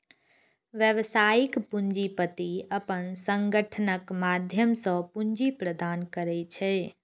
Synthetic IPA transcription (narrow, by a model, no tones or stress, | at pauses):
ʋjəʋsaikpund͡ʒipət̪iəpənsəŋɡəʈʰənəkmad̪ʱjəmsə̃pund͡ʒipɾəd̪ankəɾɛt͡ʃʰɛ